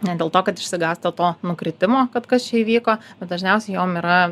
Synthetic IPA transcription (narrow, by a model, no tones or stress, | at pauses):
nʲɛd̪ʲeːlˠt̪oːkɐt̪ɪʃʲsʲɪɡɑːst̪ɐt̪oːnʊkɾʲɪt̪ʲɪmoːkɐt̪kɐst͡ʃʲɛiːʋʲiːkoːb̥ʲɛt̪̚d̪ɐʒʲnʲɛˑʊsʲɛɪjoːmiːɾɐ